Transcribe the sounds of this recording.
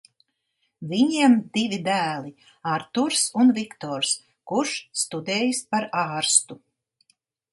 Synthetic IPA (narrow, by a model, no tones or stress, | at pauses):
vʲiɲiɛmd̪ivʲid̪æːlˠi | aɾt̪uɾsunvikt̪oːɾs | kuɾʃst̪ud̪ɛːjispaɾaːɾst̪u